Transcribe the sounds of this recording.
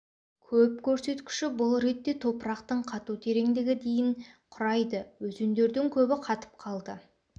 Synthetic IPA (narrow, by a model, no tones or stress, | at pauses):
kʲʰɵp̚kʲʰɵɾse̞t̪kʲɪ̥ʃɪbʊlˠɾe̞t̪ːe̞t̪ʰo̞pəɾɑqt̪əɴqʰɑt̪ut̪ʰe̞ɾe̞ŋd̪ɪɡʲɪd̪e̞jɪŋqʰʊɾɑjd̪əwɵzend̪e̞ɾd̪ɪŋkʲʰɵbɪqʰɑt̪ə̥p̚qʰɑlˠd̪ə